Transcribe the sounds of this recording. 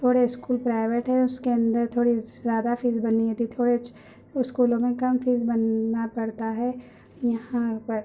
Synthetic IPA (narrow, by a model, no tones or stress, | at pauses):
t̪ʰoːɽeɪskuːlpɾaːɪʋeːʈɦɛʊskeɐ̃nd̪əɾt̪ʰoːɽizjaːd̪afiːzbɐniɦet̪it̪ʰoːɽe | skuːlõmẽkɐmfiːzbɐnːapɐɽt̪aɦɛ | jɐɦãpɐɾ